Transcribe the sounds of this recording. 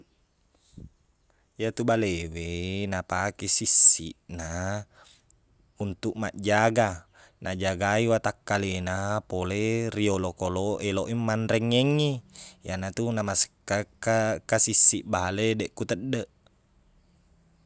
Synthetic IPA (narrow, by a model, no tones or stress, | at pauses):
jat̪ubalewenapakesisːḭʔna | unt̪uʔma̰ʔd͡ʒaɡa | nʔad͡ʒaɡaiwat̪akːalenapoleriolokoloʔeloʔimːanɾeŋːeŋːijanat̪unamasə̥kːakːakːasisːiʔbaledeʔkut̪əɗːəʔ